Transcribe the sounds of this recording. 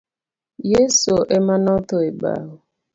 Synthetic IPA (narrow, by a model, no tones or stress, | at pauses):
jesoʔemanɔtʊeɡ͡ba̰ɦʊ